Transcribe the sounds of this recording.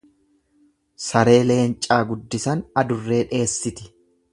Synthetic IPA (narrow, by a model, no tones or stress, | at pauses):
sɐɾe̞ːle̞ːnt͡ʃʼaːɡʊd̪ːɪsɐnɐd̪ʊrːe̞ːᶑe̞ːsːɪt̪ɪ̥